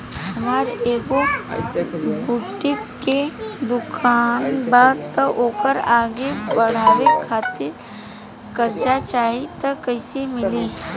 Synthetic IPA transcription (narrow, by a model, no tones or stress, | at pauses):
hɐmaːɾeːɡo | buʈːɪkː | ed̪ʊkʰaːnbaːd̪t̪əʔoːkəɾaːɡebɐɽ̤aːwekʰaːt̪ɪɾ | kɐɾd͡ʒat͡ʃaːɦit̪ɐkɐɪsemɪliː